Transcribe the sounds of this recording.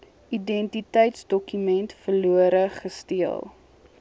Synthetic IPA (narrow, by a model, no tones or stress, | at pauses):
idɛntitɛjtsdɔkymɛntfərluəɾəχəstiəlˠ